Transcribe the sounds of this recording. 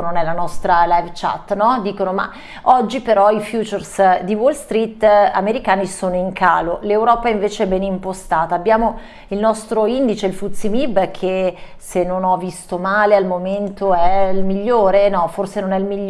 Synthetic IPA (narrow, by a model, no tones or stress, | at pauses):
nonɛlanɔst̪ɾalajvt͡ʃa̰t̪ːnɔd̪iːkonoma̰ | ɔd͡ʒːipeɾɔifjuːt͡ʃersd̪iwolst̪ɾit̪ːa̰meɾikaːnisoːnoiŋkʰaːlolewɾɔːpaiɱveːt͡ʃeɛbɛnimpost̪aːt̪aːbːjaːmo | ilnɔst̪ɾoind̪it͡ʃeilfut̪simibkʰesenːonɔvːist̪omaːlealmoment̪oɛlmiʎːoːɾenɔforsenonɛilmiʎː